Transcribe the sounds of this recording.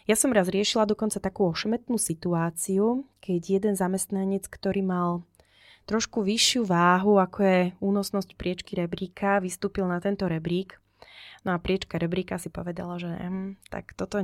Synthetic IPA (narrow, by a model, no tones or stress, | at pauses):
jasɔmɾazɾɪɛʃilad̪ɔkɔnt͡sat̪akuːɔʃɛmɛt̪nuːsit̪uaːt͡siukʰɛɟjɛd̪ɛnzamɛst̪naɲɛt͡skt̪ɔɾiːmal | t̪ɾɔʃkuʋiʃɪuʋaːɦuakʰɔjɛuːnɔsnɔscpɾɪɛt͡ʃkiɾɛbɾiːkʰaʋist̪uːpilnat̪ɛnt̪ɔɾɛbɾiːk | nɔapɾɪɛt͡ʃkaɾɛbɾiːkasipɔʋɛd̪a̰laʒɛnɛ̰ɦ̩t̪a̰kt̪ɔt̪ɔ